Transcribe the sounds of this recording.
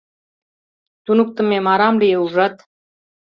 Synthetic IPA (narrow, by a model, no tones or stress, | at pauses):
t̪unuk̚t̪ə̆memɑɾɑmlijeuʒɑt̪